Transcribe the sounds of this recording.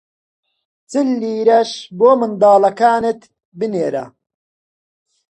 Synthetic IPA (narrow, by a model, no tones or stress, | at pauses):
t͡sɨlːiːɾɐʃboːmɨnd̪aːlɐkaːnɨt̪ | bɨneːɾɐ̰